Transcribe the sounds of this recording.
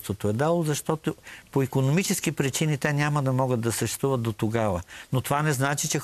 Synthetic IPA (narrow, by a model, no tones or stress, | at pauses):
st̪vot̪oɛd̪alˠozɐʃt̪ɔt̪opoikonomit͡ʃɛskipɾit͡ʃinit̪ɛnʲamɐd̪ɐmɔɡət̪̚d̪ɐsɐʃɛ̥t̪uvɐt̪̚d̪ot̪oɡavənot̪ovanɛznat͡ʃit͡ʃɛ